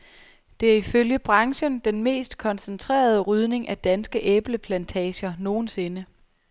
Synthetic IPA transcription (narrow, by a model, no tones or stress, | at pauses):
d̥e̝æɐiføljəb̥ʁɑ̈ŋɕənd̥enme̝̰ːsd̥kʰɒ̽nsənt͡sʰʁḛːɐð̞ˠəʁyð̞ˠne̝ŋʔæd̥ænsɡ̥əʔeb̥ləpʰlænt͡sʰɛ̰ːɕɐno̝ːn̩se̝nə